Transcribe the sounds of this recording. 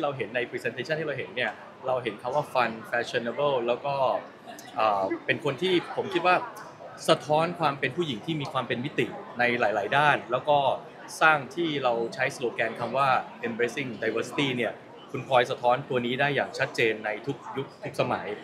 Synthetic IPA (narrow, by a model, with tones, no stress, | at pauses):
t̪ʰiː˥˩ɾa˧wɦe˨˩˦nːa˧jpʰɾi˧se˧nt̪ʰeː˧˥t͡ɕa˥˩nt̪i˥˩a˧wɦe˩˦nːi˥˩ɐ | ɾa˧wɦe˩˦nkʰa˧mwaː˥˩fa˧nfɛː˦˥t͡ɕʰo˧na˧bɤ˥˩wlɛː˦˥wkɔː˥˩ | ʔɤː˨˩pe˧nkʰo˧nt̪ʰiː˥˩pʰo˨˩˦mkʰi˦˥waː˥˩ | sa˧t̪ʰɔː˦˥nkʰwaː˧mpe˧npʰuː˥˩ji˨˩˦ŋt̪ʰiː˥˩miː˧kʰwaː˧mpe˧nmi˦˥t̪ḭ˨˩na˧jlaː˩˦jlaː˩˦jdaː˥˩nlɛː˦˥wkɔː˥˩ | saː˥˩ŋt̪ʰiː˥˩ɾa˧wt͡ɕʰa˦˥jsloː˧kɛː˧nkʰa˧mwaː˥˩ʔe˧neː˦˥si˥˩ŋda˧jwɤː˧si̥˧t̪iː˥˩ni˥˩ɐ | kʰu˧nkʰɔː˧jsa˧t̪ʰɔː˦˥nt̪u˧ɐniː˦˥daː˥˩jːaː˨˩ŋt͡ɕʰa˦˥t̪̚t͡ɕeː˧nːa˧jt̪ʰu˦˥k̚ju˦˥k̚t̪ʰu˦˥k̚sa˧ma̰˩˦j